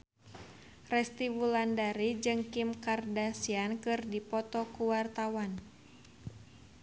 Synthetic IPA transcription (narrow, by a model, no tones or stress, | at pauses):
rɛst̪iwulandaɾid͡ʒɨŋkimkardasiankɨrdipɔt̪ɔkuwart̪awan